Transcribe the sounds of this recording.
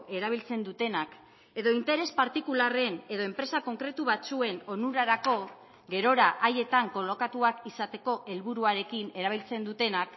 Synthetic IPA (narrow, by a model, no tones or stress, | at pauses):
ʔe̞ɾaβ̞ilt͡se̞nd̪ut̪e̞nak | e̞ðo̞int̪e̞ɾe̞spaɾt̪ikulare̞ne̞ðo̞e̞mpɾe̞sako̞ŋkɾe̞t̪uβat͡sue̞no̞nuɾaɾako̞ | ɡe̞ɾo̞ɾaʔaje̞t̪aŋko̞lo̞kat̪uakisat̪e̞ko̞ʔe̞lβuɾuaɾe̞kine̞ɾaβ̞ilt͡se̞nd̪ut̪e̞nak